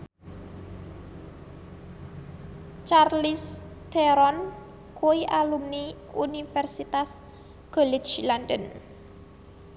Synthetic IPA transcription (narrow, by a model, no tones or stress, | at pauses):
t͡ʃarlist̪ɛɾɔn | kuiʔalumni | unifɛrsit̪as | ɡ̥olit͡ʃlandən